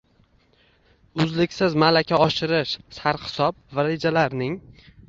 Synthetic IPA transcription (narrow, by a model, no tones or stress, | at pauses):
ʊzlɪkʲsɪzmalakʲʰaɒʃɪɾɪʃsaɾχɪ̥sɒp̚vaɾed͡ʒalaɾnɪŋ